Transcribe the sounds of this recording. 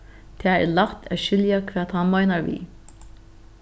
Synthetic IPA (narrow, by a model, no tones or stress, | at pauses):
t̪ʰɛːɛlaht̪ʰɛ̰ʃɪljakʰvɛːt̪hanmajnaɹvḭː